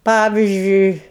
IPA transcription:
ˈpɑːʋʲɪzʲd͡ʒʲʊɪ

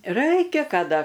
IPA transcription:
ˈrɐɪkʲɛ kɐˈdɐ

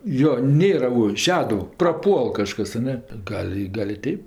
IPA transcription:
ˈjoː ˈnʲeːrɐ ʊ ˈʃʲæːdʊw prɐˈpuɔlˠ kɐʃˈkɐs ɐ ˈnʲɛ ˈɡɐlʲ ɪ ˈɡɐlʲ ɪ ˈtʲɛɪp

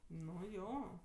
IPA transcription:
nʊ ˈjoː

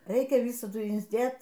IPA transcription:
ˈrʲɛɪkʲɛ ˈʋʲiːsɐdʊ ɪnʲzʲˈdʲeːt

